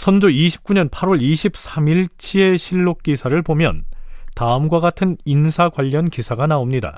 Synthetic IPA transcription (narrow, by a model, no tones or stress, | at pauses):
sʰʌnd͡ʑoiɕʰi̥p̚k͈uɲʌnpʰaɾwʌɭiɕʰip̚s͈ʰamiɭt͡ɕʰie̞ɕʰiɭːok̚k͈isʰaɾɯɭpomjʌ̰ntaɯmɡwaɡatʰɯninsʰaɡwaʎːʌnkisʰaɡanaomɲida̰